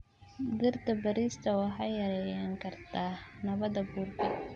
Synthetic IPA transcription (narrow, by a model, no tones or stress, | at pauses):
d̪ɪrd̪ʰɐbɐɾiːst̪ʰɐwɑħɑjɐɾɛjaŋkʰɐrt̪ʰaːnɐβɐðɐbuːrɡɪ